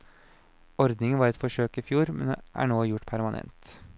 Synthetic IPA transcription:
ɔɾd̪nɪŋəʋɑːɾɛt̪fɔʂøːkiːfjuːɾmɛnʔæ̰ːɳoːjʊʈːpʰæɾmɑnʔɛ̰nt̪

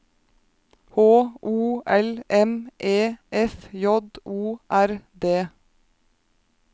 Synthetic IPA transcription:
hoːʔuːɛlʔɛmʔeːʔɛfjɔd̪uːʔæɾd̪eː

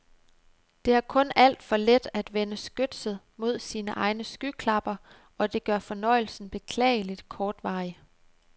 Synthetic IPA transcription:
d̥e̝æɐkʰɔ̽næl̰d̥fɒ̽led̥æd̥ʋenəsɡ̥ød̥sð̩ˠmo̝ð̞̰ˠsiːnəʔɑ̈ɪnəsɡ̥ykʰlɑ̈b̥ɐ | ʔɒ̽d̥e̝ɡ̥ɶɐfɒ̽nɒ̽ɪ̰l̩sn̩b̥e̝kʰlɛ̰ːɪəlid̥kʰɒːd̥ʋɑ̈ːɪə

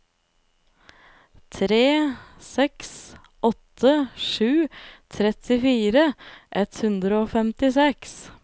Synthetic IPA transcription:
t̪ʰɾeːsɛks | ʔɔt̪ʰːəʃʉːt̪ʰɾɛt̪ʰɪfiːɾəʔɛt̪hʉnd̪ɾəoːfɛmt̪ɪsɛks

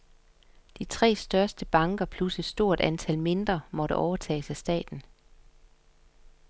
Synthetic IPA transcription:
d̥it͡sʰʁɛ̰ːsd̥ɶɐsd̥əb̥ɑ̈ŋɡ̥ɐpʰluse̥sd̥o̝ɐ̰d̥ænt͡sʰælme̝nd̥ʁɐmɒ̽ɾəʔɒʊɐt͡sʰɛ̰ːsæsd̥ɛ̰ːd̥n̩

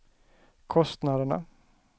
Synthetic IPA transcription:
kʰɔst̪nad̪əɳa̰

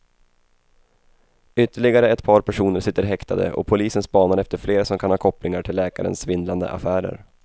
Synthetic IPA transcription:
ʏt̪ːəɭɪɡaɾəɛt̪pʰɑːɾpʰæʂuːnəɾʂɪt̪ːəɾɦɛkt̪ʰad̪ə̰ʔɔ̰pʰʊliːsənspɑːnaɾɛft̪əɾfleːɾasɔmkʰanhɑːkʰɔpːlɪŋaʈʰɪlːɛːkaɾə̰nsvɪnd̪land̪ə̰ʔa̰fæːɾə̰ɾ

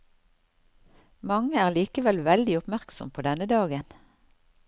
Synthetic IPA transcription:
mɑŋəæːʁliːkəʋɛlʋɛld̪ɪʊpmæʁksɔ̰mpʰoːd̪ɛnəd̪ɑːɡən

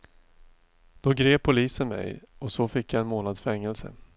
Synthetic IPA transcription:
d̪̥ɔɡɾeːʊliːsənmɛ̰jɔsɔfɪkjaɛnmoːnad̪sfɛŋːɛlsə̰

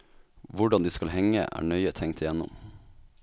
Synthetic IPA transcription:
ʋʊɖɑnd̪iːskɑlhɛŋə̰ʔæ̰ːɳœʏət̪ʰɛŋt̪ʰɪjɛnːʊ̰m

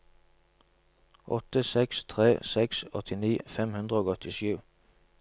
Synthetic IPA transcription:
ʔɔ̰t̪əsɛkst̪ʰʁeːsɛksɔ̰t̪ʰɪniːfɛmhʉnd̪ʁəoːɔt̪ʰɪʃʉː

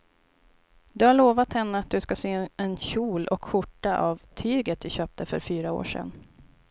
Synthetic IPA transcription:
d̪ɵhaɭoːvat̪hɛnːəat̪̚d̪ɵskaseːɛnɕuːlʔɔkɧʊʈːaʔavt̪ʰyːɡət̪̚d̪ɵɕøːp̚t̪əfœ̰ɾfyːɾao̰ːʂɛ̰n

